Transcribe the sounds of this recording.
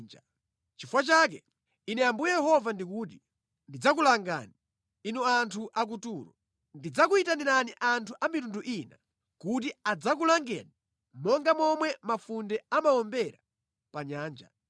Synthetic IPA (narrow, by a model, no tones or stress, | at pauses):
nd͡ʒa | t͡ʃifwat͡ʃak̬ɛ | inɛambujɛjɛɦɔvandikuːti | ndid͡zak̬ulaŋɡa̰ni | inɔantʰuʔak̬utuːɾɔ̰ | ndid͡zakuitaniɾaniʔantʰuʔamitunduʔiːna | kut̬iad͡zak̬ulaŋɡɛ̰ni | mɔŋɡamɔmwɛmafundɛamawɔmbɛɾa | paɲaːnd͡ʒa̰